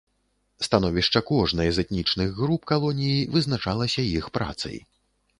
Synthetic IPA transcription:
st̪anɔvʲiʂt͡ʂɐkɔʐnɐjɐzɛt̪nʲit͡ʂnɨɣɣɾupkalˠɔnʲijivɨznat͡ʂalˠɐsʲɐjixpɾa̰t̪sɐ̰j

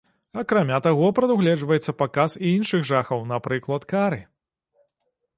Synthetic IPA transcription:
ɐkɾamʲat̪aɣɔpɾɐd̪uɣlʲɛʐvɐjɛt̪sːɐpakasiinʂɨɣʐaxɐwnɐpɾɨklˠɐt̪kaɾɨ

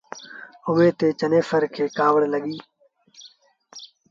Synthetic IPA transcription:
ʊʋeːt̪eːt͡ʃəneːfəɾkʰeːkaːʋəɽləɠiː

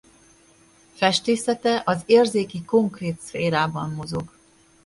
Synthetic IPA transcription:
fɛʃt̪eːsɛt̪ɛʔɒzeːrzeːkiko̞ŋkreːt̪sfeːɾaːbɒmːo̞zo̞ɡ

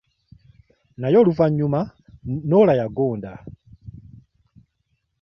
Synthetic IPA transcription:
najɔluvaɲuma | nɔlajaɡɔːnda

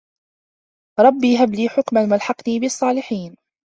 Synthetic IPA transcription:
ɾˤɑbːiːɦabliːħʊkmanmalħɑqniːbɪɑsˤːɑːlɪħiːn

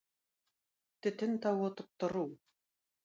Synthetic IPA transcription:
t̪ɘ̆t̪ɘ̆nt̪ɑwot̪ɤ̆p̚t̪ŏɾuw

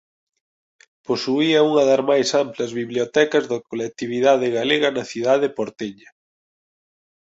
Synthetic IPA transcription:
posuiɐuŋɐðɐzmajsamplɐzβiβljot̪ɛkɐzðɐkolɛk̚t̪iβ̞iðaðɪɣaleɣɐnɐθiðaðepoɾt̪eɲɐ

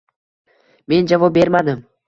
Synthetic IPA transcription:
me̞nd͡ʒavɒp̚be̞ɾmad̪ɪm

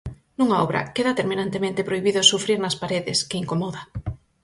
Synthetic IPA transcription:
nuŋaɔβɾʔɐ̰keðat̪eɾmĩnant̪emẽnt̪epɾojβiðosufɾiɾnaspaɾeðɪskɪiŋkomɔða

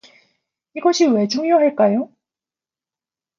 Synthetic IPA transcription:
iɡʌɕʰiwe̞t͡ɕʰoŋioɦaɭk͈ajo

